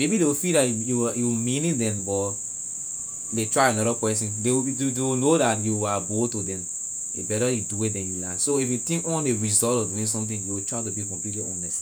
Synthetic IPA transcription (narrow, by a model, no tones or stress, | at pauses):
mebidewifidajujuwmĩnĩdɛ̃mbɔt | detɹaɪanɔɾəpɛsɔ̃ndewdewinodatjuaɡotudɛ̃m | ḛbɛɾəjuduwedɛ̃njulasoifjutĩŋkwɔ̃neɹizɔltɔfduĩŋs̬ɔ̃mtĩŋjuwitʰɹaɪtubikɔ̃mplitliʔɔnɛst